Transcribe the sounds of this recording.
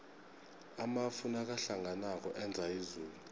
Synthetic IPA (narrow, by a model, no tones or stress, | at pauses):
amafunak̬aɬaŋɡʱanak̬ɔʔɛnd͡zʱaizuːlu